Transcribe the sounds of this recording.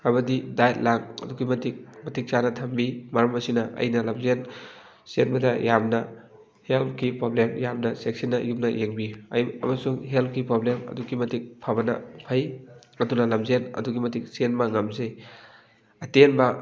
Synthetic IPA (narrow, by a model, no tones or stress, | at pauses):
ɐbɐdidajt̚lak̚ɐ̰duɡimɐtik̚mɐtik̚t͡ʃanɐtʰɐmbimɐɾɐmɐsinɐʔɐ̰jnɐlɐmzen | senbɐdɐjamnɐ | help̚ʰkipɾoblemjamnɐsek̚sinːɐjupnɐjeŋbiɐ̰jɐ̰mɐsuŋɦelp̚ʰkipɾoblemɐ̰duɡimɐtik̚pʰabɐnɐ̰pʰɐj | ɐdunɐlɐmzenɐ̰duɡimɐtik̚senmɐŋɐmzɐj | ɐtenbɐ